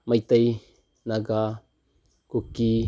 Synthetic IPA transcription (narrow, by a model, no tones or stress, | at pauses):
majt̪aj | naɡa | kuki